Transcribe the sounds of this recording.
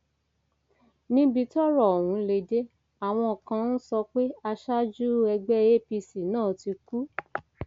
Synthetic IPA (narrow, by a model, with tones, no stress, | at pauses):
nĩ˦bi˧tɔ˦ɾɔ˦˨o˨wũ˨˦le˧de˦ | a˨w̃ɔ̃˧ɔ˨kã˧n̩˦sɔ˧k͡pe˦a˧ʃa˦d͡ʒu˦ɛ˧ɡ͡bɛ˦e˦pi˧si˨nãː˦˨ti˧ku˦